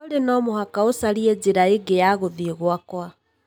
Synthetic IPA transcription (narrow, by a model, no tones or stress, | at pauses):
oɾenɔːmohakaosaɾiɛd͡ʒeɾaeɡejaɣoðiːɣwakwa